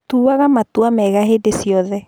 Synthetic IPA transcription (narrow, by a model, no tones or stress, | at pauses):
tuːaɣamatuamɛɣaɦedesiɔðɛ